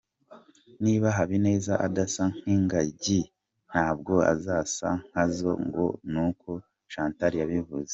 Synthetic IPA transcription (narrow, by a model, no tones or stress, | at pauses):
niːβaɦaβine̞ːzaʔadasaŋ̥hiːŋɡaɟi | n̥haːbɡo̞a̰zaːsa̰ŋ̥hazo̞̰ŋɡo̰nukʰo | ʃaːntaɾijaβivuze